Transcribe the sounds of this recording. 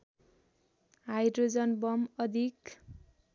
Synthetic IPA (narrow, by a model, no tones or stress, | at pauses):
ɦajdrod͡zʌnbʌmʌd̪ʱik